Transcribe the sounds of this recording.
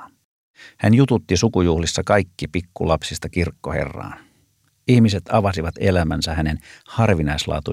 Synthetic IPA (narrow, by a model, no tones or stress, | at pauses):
hænjut̪ut̪ːisukujuhlisːɑkɑjkːipikːulɑpsist̪ɑkirkːohe̞̰rːɑ̰ːn | ihmise̞t̪ɑʋɑsiʋɑt̪e̞læmænsæhæne̞nhɑrʋinɑjslɑ̰ːt̪u